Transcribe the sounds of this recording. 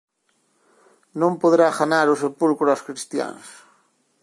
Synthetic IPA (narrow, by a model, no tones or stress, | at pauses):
nõmpoðɾaxanaɾʊsepulkɾʊaskɾist̪ja̰ŋs